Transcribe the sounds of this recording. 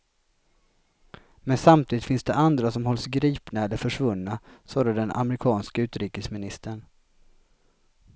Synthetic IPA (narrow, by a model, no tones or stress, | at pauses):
mɛnsamt̪ʰiːd̪ɪt̪fɪnsd̪ɛʔand̪ɾasɔmɦɔlsɡɾiːpnaɛlːəɾfœʂvɵnːasɔːd̪əd̪ɛnʔa̰mɾɪkʰɑːnskaʉ̟ːt̪ɾiːkəsmɪnɪst̪əɳ